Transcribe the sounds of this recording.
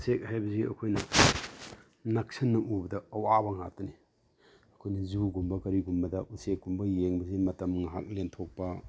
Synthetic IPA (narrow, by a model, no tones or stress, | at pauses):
usek̚hajbɐziɐ̰kʰojnɐ | nɐk̚sʰɐnːɐʔubɐdɐɐwabɐŋa̰tɐni | ɐkʰojnɐzuɡumbɐkɐɾiɡumbɐdɐʔusek̚ɡumbɐjeŋbɐzimɐtɐmŋɦa̰k̚lentʰok̚pɐ